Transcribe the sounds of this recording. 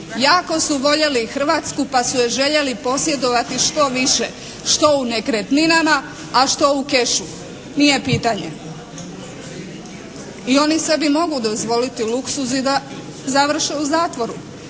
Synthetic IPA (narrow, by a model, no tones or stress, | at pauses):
jaːko̞suʋo̞ʎelixr̩ʋat̪skupasuje̞ʒe̞ʎe̞lipo̞sje̞d̪o̞ʋat̪iʃt̪o̞ʋiʃe | ʃt̪o̞unekɾet̪ninama | aʃt̪o̞uke̞ʃu | nije̞piːt̪aɲḛ | io̞nise̞bimo̞ɡud̪o̞zʋo̞lit̪iluksuzid̪a | zaʋr̩ʃeuzaːt̪ʋo̞ɾu